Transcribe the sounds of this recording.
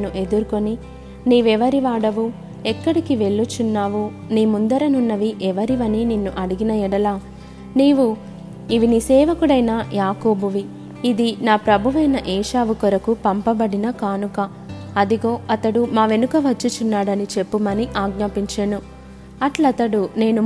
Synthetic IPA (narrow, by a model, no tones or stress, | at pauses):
nuʔe̞d̪uɾuko̞ni | niːʋɛʋɐɾiʋaːɽɐʋu | ɛkːɐɽikiʋe̞ɭːut͡ʃunːaːʋu | niːmund̪ɐɾɐnunːɐʋiʔɛʋɐɾiʋɐnininːuʔɐɽiɡinɐiɽɐlaː | niːʋu | iʋinisɛːʋɐkuɽɐjnajaːko̞ːbuʋiː | d̪inaːpɾɐbʱuʋɐjnɐʔɛːʃaːʋukɔɾɐkupɐmpɐbɐɽinɐkaːnukɐ | ɐd̪iɡo̞ːɐt̪ɐɽumaːʋe̞nukɐʋɐt͡ʃːut͡ʃunːaːɽɐnit͡ʃe̞pːumɐniʔaːɡ̚naːpiɲt͡ʃeːnu | ɐʈlɐt̪ɐɽune̞ːnu